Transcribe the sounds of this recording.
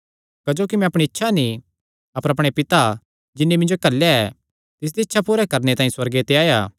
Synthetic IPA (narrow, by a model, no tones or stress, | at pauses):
kɐd͡ʒoːkimɛ̃ɐpɽ̃iɪtːʃʰani | ɐpəɾɐpɽ̃epɪt̪a | d͡ʒɪnːimɪ̃nd͡ʒokɐlːjaɛ | t̪ɪs̬d̪iːɪtːʃʰapuɾɛkɐɾnet̪ãːĩswɐɾɡet̪eaːjaː